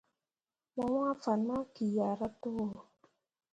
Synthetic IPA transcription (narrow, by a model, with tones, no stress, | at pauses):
ma˦wa˦fa˨nma˦ki˨ja˨ɾa˦to˦o˨